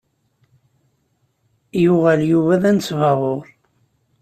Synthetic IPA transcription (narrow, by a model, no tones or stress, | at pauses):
jʊʁæljuvæðænt͡sːvɑʁoɾˤ